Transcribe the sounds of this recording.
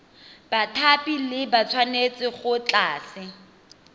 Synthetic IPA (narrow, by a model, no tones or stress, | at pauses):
b̥atʰapilɪbat͡sʰwanet͡sʼɪχʊt͡ɬaːsɪ